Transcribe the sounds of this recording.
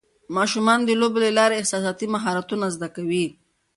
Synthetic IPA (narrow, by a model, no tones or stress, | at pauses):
mɑʃumɑnd̪əlobelelɑɾeɪhsɑsɑt̪imaɦɑɾat̪unazd̪akawi